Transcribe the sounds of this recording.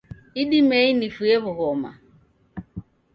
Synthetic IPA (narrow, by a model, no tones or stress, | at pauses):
iɗimɛinifueβuɣɔma̰